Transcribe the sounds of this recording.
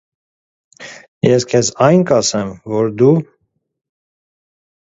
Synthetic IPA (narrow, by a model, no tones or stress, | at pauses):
jɛskʰɛzɑjnkɑsɛmvɔɾd̪u